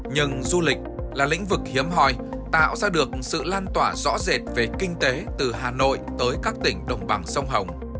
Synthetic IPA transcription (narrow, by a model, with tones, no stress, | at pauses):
ɲɨ˧˩ŋzu˧lï˨˩k̟̚laː˨˩lï˧˥ŋ̟vɨ˨˩k̚hi˨˦əmɦɔ˧˩j | t̪a̰ː˧˨wzaː˧ɗɨ˨˩ək̚sɨ̰˧˨laː˧nt̪waː˧˩zɔ̰˧˥ze˨˩t̚ve˨˩kï˧ŋ̟t̪e˨˦t̪ɨ˨˩ɦaː˨˩no̰˧˨jt̪əː˨˦jkaː˦˥k̚t̪ï˧˩ŋ̟ɗə˨˩wŋ͡mɓa˨˩ŋsə˧wŋ͡mɦə˨˩wŋ͡m